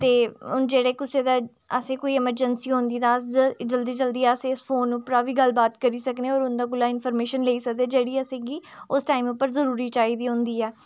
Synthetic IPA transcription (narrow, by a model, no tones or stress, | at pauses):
t̪eːʊnd͡ʒeːɽeːkʊseːd̪aː | əsẽːkoːiːɛməɾd͡ʒənsiːɦõnd̪iːt̪ãːsd͡ʒəld̪iːd͡ʒəld̪iːɛːəsẽɪspʰoːnʊpɾaːʋiːɡəlbaːt̪kəɾiːsəkneːɔːɾʊnd̪aːɡʊlaːɪnpʰəːɾmeːʃənleːiːsəkd̪eːd͡ʒeːɽiːəseːɡiː | ʊsʈaːimʊpːəɾzəɾuːɾiːt͡ʃaːiːd̪iːɦʊ̃nd̪iːɛː